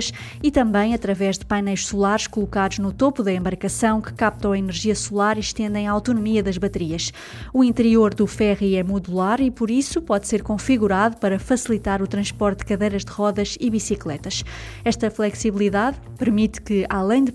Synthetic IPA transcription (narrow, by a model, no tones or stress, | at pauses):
ʃ | it̪ɐ̃mbɐ̃j̃ɐt̪ɾɐvɛʒðɨpajnɐjʃsulˠaɾʃkulˠukaðuʒnut̪opuðɐẽmbɐɾkɐsɐ̃w̃kɨ̥kap̚t̪ɐ̃w̃ɐinɨɾʒiɐsulˠaɾiʃt̪ẽnd̪ɐ̃j̃aawt̪unumiɐðɐʒβɐt̪ɨɾiɐʃ | uĩnt̪ɨɾioɾðufɛʁiɛmuðulˠaɾipuɾisupɔðseɾkõfiɣuɾaðupɐɾɐfɐsilˠit̪aɾut̪ɾɐ̃ʃpɔɾt̪̚d̪̥ɨkɐðɐjɾɐʒd̪ɨʁɔðɐʃiβisiklˠɛt̪ɐʃ | ɛʃt̪ɐflˠɛksiβlˠiðað | pɨɾmit̪kɨalˠɐ̃j̃d̪